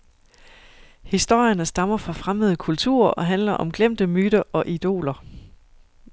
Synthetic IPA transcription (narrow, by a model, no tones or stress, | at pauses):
hisd̥o̝ɐ̰jənəsd̥ɑ̈mɐfʁɑ̈fʁaməð̩ˠəkʰult͡sʰṵɐ̰ɒ̽ɦænlɐʔɒ̽mɡ̥lem̰d̥əmyːɾ̥ɐʔɒ̽ʔid̥o̝̰ːlɐ